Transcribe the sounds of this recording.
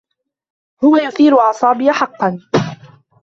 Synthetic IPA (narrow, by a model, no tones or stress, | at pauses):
hʊwajʊθiːɾʊʕɑsˤɑːbɪjaħɑqːɑn